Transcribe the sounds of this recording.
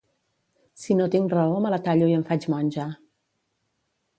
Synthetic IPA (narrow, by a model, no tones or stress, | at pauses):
sinot̪iŋrəomələt̪aʎojəmɱfat͡ʃmanʲd͡ʒa